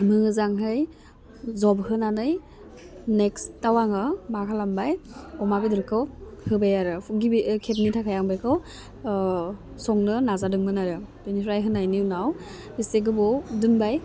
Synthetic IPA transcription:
mɯŋɯzaŋɦɯj | zɔbɦɯnanɯj | nekstawaŋɯmakʰalambajɔmaɡɯdɯɾkʰɯwhɯbajaɾɯɡibikʰet̚nitʰakʰajaŋbajkʰɯw | sɔŋnɯnazadɯŋmɯnaɾɯbenipʰɾajɦɯnajniwnaw | iseɡɯbɔdɯnbaj

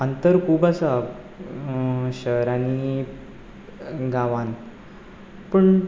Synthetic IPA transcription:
ənt̪əɾkʰuːbəsa | ɕəɾani | ɡaʋãn | pəɳ

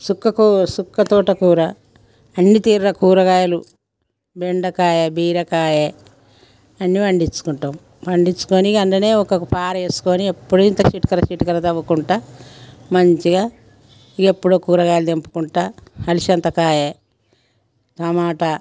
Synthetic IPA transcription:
sukːɐkusukːɐt̪uːʈɐkuːɾɐ | ɐnːit̪iːɾɾɐkuːɾɐɡaːjɐlu | beɳɖɐkaːjɐbiːɾɐkaːje | ɐnːiʋɐɳɖit͡ʃːu̥kuɳʈɐm | ʋɐɳɖit͡ʃːu̥koːnikɐnd̪ɐneːɔkɐkupaːɾeːsu̥koːniepːuɽuint̪ɐʃiʈu̥kɐɾɐʃiʈukɐɾɐt̪ɐʋukuɳʈaːmɐɲt͡ʃiɡaː | iɡepːuɽoːkuːɾɐɡaːjɐlud̪empu̥kuɳʈaːhɐliʃɐnt̪ɐkaːje | t̪ɐmaːʈɐ

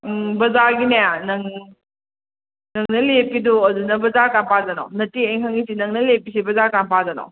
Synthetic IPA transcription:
bɐzaɾɡinejanɐŋ | nɐŋnɐlepiduɐdunɐbɐzaɾkanpʰazɐna̰wnɐtiejŋɦʰaŋisinɐŋnɐlepis̬ibɐzaɾkanpazɐno̰w

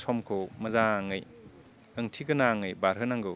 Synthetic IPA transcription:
sʰɔmkʰowmɐzaŋɯj | ɯŋtʰiɡɯnaŋɯjbaɾɦɯnaŋɡɯ

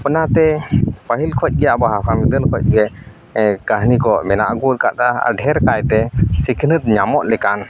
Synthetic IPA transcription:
pnat̪ɛpəɦilkʰɔc̚ˀɡɛjaʔbaɦapʰamid̪əlkʰɔc̚ɡɛ | kəɦnikɔmɛna̰ʔɡut̪̚kat̪a̰ɖʱɛɾkajt̪ɛsikʰnət̪̚ɲamɔʔlɛkan

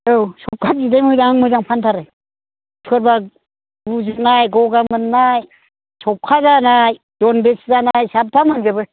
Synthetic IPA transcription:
ɯwsʰɔp̚kʰat̚zidejmɯzaŋaŋmɯzaŋpʰantʰaɾɯ | tʰɯɾba | buzɯk̚najɡɔɡamɯnːaj | sɔpkʰazanaj | dɔnbeszanajsap̚pʰamɯnzɯbɯ

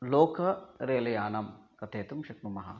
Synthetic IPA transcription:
loːkʰɐɾeːlɐjaːnɐmkɐt̪ʰeːt̪umʃɐknumɐɦa̰

